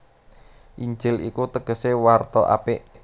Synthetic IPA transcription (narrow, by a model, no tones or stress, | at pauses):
ʔiɲd͡ʒɪlḭkut̪əɡ̥ə̤sewart̪ɔʔa̰pɪʔ